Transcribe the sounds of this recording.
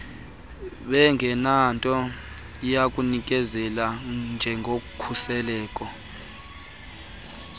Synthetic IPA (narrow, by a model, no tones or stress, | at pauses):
ɓɛŋɡʱɛnantʼɔ | jakʼunik̬ʼɛzɛland͡ʒʱɛŋʱokukʰusɛlɛːkʼɔ